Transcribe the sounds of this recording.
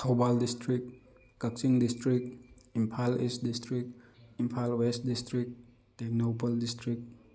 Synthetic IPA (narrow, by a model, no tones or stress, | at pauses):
kʰawbaldistɾik̚ | kak̚siŋdistɾik̚impʰalist̚distɾikimpʰalwest̚distɾik̚ | tek̚nopaldistɾik̚